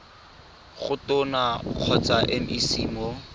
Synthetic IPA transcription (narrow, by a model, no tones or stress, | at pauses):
ɣʊtʊnaq͡χʰɔt͡saʔɛm̩ʔisiːmɔ